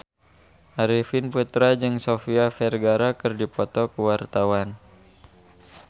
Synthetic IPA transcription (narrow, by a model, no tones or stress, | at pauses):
ʔaɾifinput̪ɾad͡ʒɨŋsofiafɛrɡaɾakɨrdipɔt̪ɔkuwart̪awan